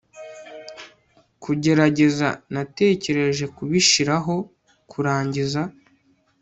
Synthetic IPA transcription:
kuɟe̞ɾaɟe̞za̰nate̞ːce̞ɾe̞ʒe̞kuβiʃiɾaɦo̞ | kʰuɾaːɲɟiza

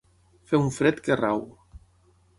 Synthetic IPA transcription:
feuɱfɾet̪keraw

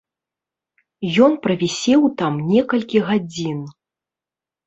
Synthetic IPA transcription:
jɔnpɾɐvʲɛsʲɛwt̪amnʲɛkɐlʲkʲiɣad͡zʲin

